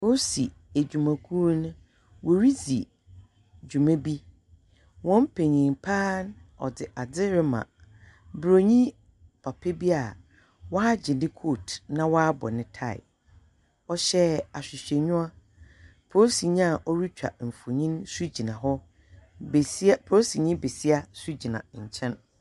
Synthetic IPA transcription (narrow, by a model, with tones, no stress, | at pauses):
pʰo˦si˨ | æ˨d͡ʑᶣu˨mã˨kʰu˦nʊ̃˦ | wɔ˨ɾi˦d͡zi˨ | d͡ʑᶣu˨mɛ̃˦bi˦ | wɔ̃˦m˦pʰe˨ɲĩ˨mpʰaː˦nɔ̰˨dɪ˨ʔa˨d͡zɪ˦ɾɪ˦mã̰˨ | bɾo˨ɲĩ˦ | pʰa˨pʰe˦bi˦a˨ | wɔ˦a˦d͡ʑɪ̃˨ndɪ˦kʰoː˦˨tnã˦waː˦bɔ̰˨nɪ̃˦tʰa˦˨ɪ̰˨ | ɔ˦ɕɛ˦a˨ɕᶣɪ˨ɕᶣɛ˨ɲʊ̃˦a˦ | pʰo˦si˨ɲĩ˦a˨ʔɔ˦ɾu˦t͡ɕᶣa̰˨m̩˨fʊ˨ɲĩ˦nsu˦d͡ʑi˨nã˨ɦɔ˦ | bspʰo˦si˨ɲĩ˦be˨si˦a˦su˦d͡ʑi˨nã̰˨ɲ̩˨t͡ɕʰɛ̃˦n